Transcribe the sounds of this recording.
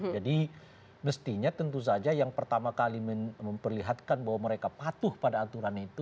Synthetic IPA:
d͡ʒadi | məst̪iɲat̪ənt̪us̬ad͡ʒajaŋpərt̪amakaliməməmpərliɦat̪̚kanbaɦwaməɾekapat̪ʊhpadaːt̪uɾanit̪u

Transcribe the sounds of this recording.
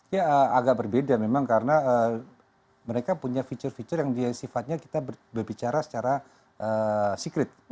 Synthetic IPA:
jaəaɡaʔ̚bərbedamemaŋkaɾənaə | məɾekapuɲafit͡ʃərfit͡ʃərjaŋdiasifat̪̚ɲaki̥t̪abbərbit͡ʃaɾasə̥t͡ʃaɾa | ʔəsikɾɪt̪̚

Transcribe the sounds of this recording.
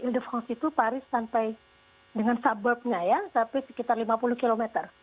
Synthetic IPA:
ildəfɾɔ̃nsit̪upaɾɪsːampaj | dəŋansabərp̚ɲajasapasə̥kit̪arlimapuluhkilomɛt̪ər

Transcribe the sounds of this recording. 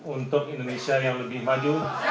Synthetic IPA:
unt̪ʊkindonesiajaŋləbɪhmad͡ʒu

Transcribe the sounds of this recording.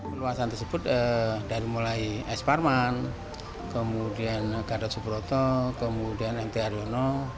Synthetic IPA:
məluasant̪ərsəb̥ʊt̪̚ədaɾimulaiɛsparman | kəmudianɡ̥adat̪̚subɾot̪ɔkəmudianɛnt̪eaɾionɔ

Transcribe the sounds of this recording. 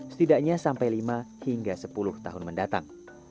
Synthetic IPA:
sə̥t̪idaʔɲasampajlimahiŋɡasəpulʊht̪a̰ɦʊnməndat̪a̰ŋ

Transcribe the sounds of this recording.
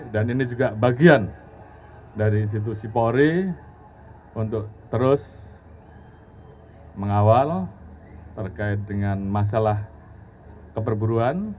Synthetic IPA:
daninid͡ʒuɡabaɡian | daɾiːns̬it̪̬usipoɾi | unt̪ʊk̚t̪əɾʊs | məŋawal | t̪ərkaɪt̪̚dəŋanmas̬alah | kəpərbuɾuan

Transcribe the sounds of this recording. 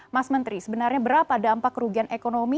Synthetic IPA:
masmənt̪ɾisəbənarɲabəɾapaːdaːmpakːəɾuɡianʔekonomi

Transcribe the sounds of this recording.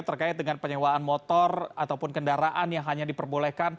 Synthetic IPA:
t̪ərkaɪt̪̚dəŋanpəɲɛwaːnmɔt̪ɔrat̪awpʊnkəndaɾaʔanjaŋɦaɲadipərbolɛhkan

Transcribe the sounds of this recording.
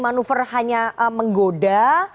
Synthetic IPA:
manufərhaɲaʔəməŋɡoda

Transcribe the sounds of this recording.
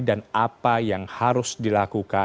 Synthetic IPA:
danapajaŋhaɾʊsdilakuka

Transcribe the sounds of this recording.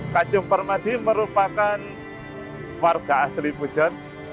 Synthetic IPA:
kḁd͡ʒʊŋpərmad̥iməɾupakan | warɡ̥aaslipu̥d͡ʒ̥ar

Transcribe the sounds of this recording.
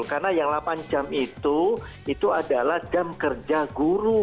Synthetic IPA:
lkarnajaŋlapand͡ʒamit̪u | it̪uadalahd͡ʒamkərd͡ʒaɡuɾu

